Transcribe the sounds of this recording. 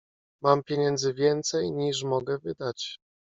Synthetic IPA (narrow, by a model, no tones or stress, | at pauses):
mampʲjeɲɛnd̪zɘvʲjɛnt̪sɛjɲiʂmɔɡɛvɘd̪at͡ɕ